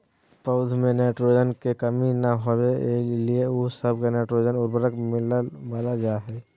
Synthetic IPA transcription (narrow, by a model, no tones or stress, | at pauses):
pəʊd̪ʱmẽneːʈɾod͡ʒənkekəminəɦobelieʊsəb̚keneːʈɾod͡ʒənʊɾbəɾəkmɪlbaːlad͡ʒaːɦɛː